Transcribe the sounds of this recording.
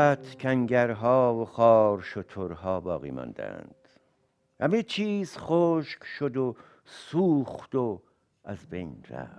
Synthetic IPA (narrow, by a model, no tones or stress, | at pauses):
æt̪ʰkʲʰæŋɟæɾɦɒːvoχɒːɾʃot̪ʰoɾhɒːbɒ̰ːɣḭːmɒ̰nd̪æ̰nd̪̥ | hæmet͡ʃʰiːz̥χoːʃkʃod̪o | suːχd̪̥o | æzbe̞̰jnɾæ̰